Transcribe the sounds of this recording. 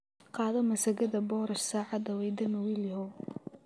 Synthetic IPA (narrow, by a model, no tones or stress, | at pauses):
qɑːðɐmɐsɐɣɐðɐbɔːɾɐʃsaːʕɑd̪ɐwɛjd̪ɐmɐwilhɔ